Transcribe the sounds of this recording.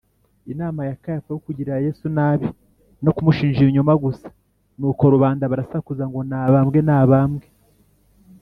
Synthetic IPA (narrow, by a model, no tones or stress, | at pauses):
inaːmajakajafajokuɟiɾaje̞ːsunaːβi | no̞kumuʃiːnʒiɲumaɡusḁ | nuːko̞ɾuβaːndaβaɾasakuzaŋɡo̞naːβaːmɡe̞naːβaːmɡe̞